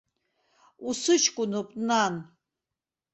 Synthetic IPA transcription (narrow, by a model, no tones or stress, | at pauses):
usɨt͡ʃʰkʼunɔpʼnan